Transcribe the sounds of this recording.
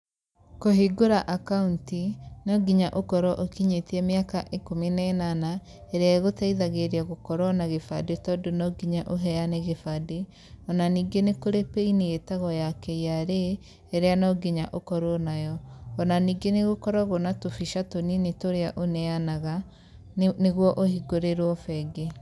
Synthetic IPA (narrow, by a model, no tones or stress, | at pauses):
koɦiɡoɾaʔakauntinɔɡiɲaʔokɔɾɔʔokiɲetiɛmeakaʔekominaenana | eɾeaɣotaiðaɣeɾeaɣokɔɾɔnaɣefadetɔdonɔɡiɲaʔoɦɛjaneɣefade | ɔnaniːɡenekoɾepeineetaɣɔjakɛjaɾeː | ɾeanɔɡiɲaʔokɔɾɔnajɔːnaniːɡeneɣokɔɾɔɣonatofiʃatoninetoɾeaʔonɛanaɣa | neɣwɔʔohiɡoɾeɾwɔfɛɡe